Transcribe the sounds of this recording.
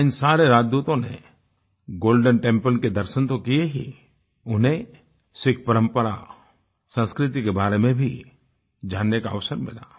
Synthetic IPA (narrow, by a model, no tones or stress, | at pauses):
ɪnsaːɾeɾaːd͡ʒd̪uːt̪õnḛ | ɡoːlɖənʈẽmpəlked̪ɐɾʃənt̪okijeɦḭ | ʊnɦẽ | sɪkʰpɐɾə̃mpəɾa̰ | sə̃nskɾɪt̪ikebaːɾemẽbʱi | d͡ʒaːnːekaɐʋsəɾmɪ̰la̰ː